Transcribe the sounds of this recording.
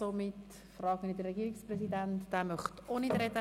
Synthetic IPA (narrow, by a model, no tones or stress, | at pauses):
omɪt | frɑːɡənid̪ərːɛɡiːɾɪksprɛsidæntd̥æːmœχtoːnɪd̪ɾɛdə